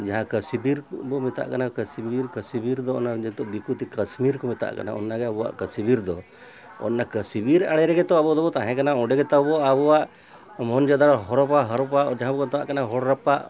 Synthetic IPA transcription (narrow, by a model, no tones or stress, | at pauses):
d͡ʒaɦãkəsbiɾbɔmɛt̪a̰ʔkanakəsbiɾkəsibiɾd̪ɔɔnad͡ʒɛt̪ɔʔd̪ikʰut̪ikəsmiɾkɔmɛt̪a̰ʔka̰na̰ɔ̰nːaɡɛabɔwa̰ʔkəsibiɾd̪ɔ | ɔ̰nːakəsibiɾaɽɛɾɛɡɛt̪ɔabɔd̪ɔbɔt̪aɦɛ̃kanaɔ̃ɖɛɡɛt̪abɔabɔwaʔ | mɔnd͡ʒɔd̪aɽɦɔɾɔpaɦɔɾɔpaʔd͡ʒaɦãbɔkɔt̪ɔwaʔkanaɦɔɽɾapaʔ